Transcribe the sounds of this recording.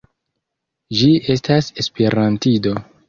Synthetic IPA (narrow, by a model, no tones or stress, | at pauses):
d͡ʒie̞s̬tase̞spe̞ɾantido̞